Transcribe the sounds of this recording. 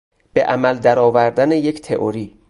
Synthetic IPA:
b̥eʔæmæld̪æɾɒːvæɾd̪ænejecʰt̪ʰeʔoɾiː

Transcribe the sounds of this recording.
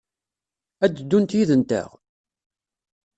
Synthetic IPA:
æd̪d̪ːunt̪jiðənt̪ə̰ʁ

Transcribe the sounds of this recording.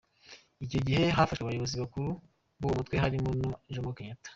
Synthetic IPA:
ico̞ɟihe̞ɦafaʃweβajoβoziβakuɾu | bowomutweɦaɾimonuʒomokeɲatḁ

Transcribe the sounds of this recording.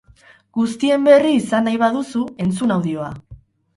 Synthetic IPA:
ɡ̥ust̪ie̞mbe̞riːsanajβaðusue̞nt͡sunawðio̞a

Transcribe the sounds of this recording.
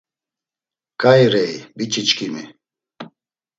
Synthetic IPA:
kʰʼajɾɛjbit͡ʃʰʼit͡ʃkʰimi

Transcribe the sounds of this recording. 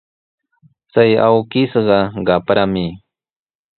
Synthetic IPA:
t͡saja̰wkɪsɢɑɢɑpɾamɪ

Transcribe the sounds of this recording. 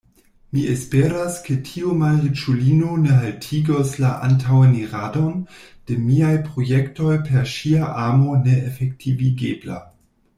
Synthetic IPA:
miʔespeɾaskʰetʰiumaʁit͡ʃulinoneɦaltʰiɡoslaʔa̰ntʰaweniʁado̞nd̥emiajpɾo̞jekto̞jpʰeɾʃiaʔamo̞neʔefek̚tʰiviɡebla̰

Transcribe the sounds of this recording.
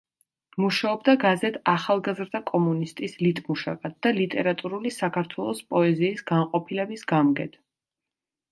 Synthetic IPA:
muʃaɔbd̪aɡazɛt̪ʰaχalˠɡazɾd̪akʼɔmunist̪ʼislit̪ʼmuʃa̰kʼat̪̚d̪̥alit̪ʼɛɾat̪ʼuɾulisakʰaɾt̪ʰwɛlˠɔspʼɔɛziːsɡaɴqʼɔpʰilɛbisɡamɡɛ̰t̪ʰ

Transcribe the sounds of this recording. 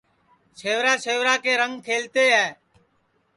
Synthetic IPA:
ʃeːʋɾaːʃeːʋɾaːkeːɾəŋɡkʰeːlt̪eːɦɛː

